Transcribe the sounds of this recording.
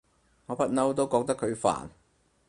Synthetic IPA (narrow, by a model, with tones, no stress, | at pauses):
ŋɔː˨˧pɐ˥t̚nɐ˥wt̪o˥wkɔː˧k̚t̪ɐ˥kʰɵ˨˧ɥfa̰ː˨˩n